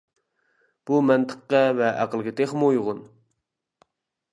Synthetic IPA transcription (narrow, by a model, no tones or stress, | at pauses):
b̥umɛnt̪ʰə̥qːɑvɛʔæqəlˠɡʲɪt̪eχmujʁʊn